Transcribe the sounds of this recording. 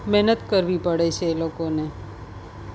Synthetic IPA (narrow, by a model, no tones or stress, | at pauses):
mɛɦnət̪kəɾʋipəɽet͡ʃʰelokone